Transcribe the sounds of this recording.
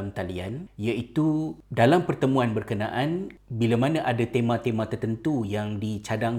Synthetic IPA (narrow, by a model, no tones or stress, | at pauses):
mt̪alianjait̪udalampərt̪əmũanbərkəna̰ʔanbilamanãʔadat̪emãt̪emãt̪ərt̪ənt̪ujaŋdit͡ʃadaŋ